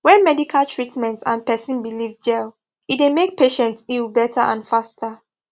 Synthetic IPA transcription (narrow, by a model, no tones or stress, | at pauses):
wɛ̃nmɛdikʰalˠtʰɹitmɛ̃ntsã̰npɛsĩnbilivd͡ʒɛl | it̚demek̚pʰeʃɛ̃ntilbɛtʰaʔã̰nfastʰə